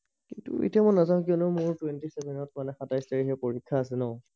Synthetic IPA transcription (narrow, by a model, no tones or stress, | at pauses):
kintṵḛtiamɔnazãʊ̃k̬iɔnɔmʊɹtwɛntisɛbʱɛnɔt̚manɛxatajstaɹiɦɛpoɹikʰːaːsɛnɔʊ̃